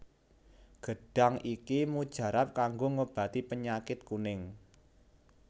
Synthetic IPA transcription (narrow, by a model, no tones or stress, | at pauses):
ɡ̥ə̤ɖ̥a̤ŋʔikimud̥ʒ̥ä̤ɾap̚kaŋɡoŋəb̥ä̤t̪ipəɲakɪt̪̚kunɪŋ